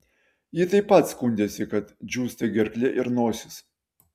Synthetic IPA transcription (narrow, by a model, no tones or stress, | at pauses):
jɪt̪ɐɪpːɐt̪skʊnʲd̪ʲeːsʲɪkɐt̪d͡ʒʲuːst̪ʲɐɡʲɛɾʲklʲɛʔɪɾnoːsʲɪs